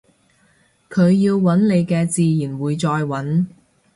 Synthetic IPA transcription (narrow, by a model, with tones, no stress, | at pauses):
kʰɵ˨˧ɥjiː˧wwɐ˨˥nle˨˧jkɛː˧t͡siː˨˧jiː˨˩nwuː˨˧jt͡sɔː˧jwɐ˨˥n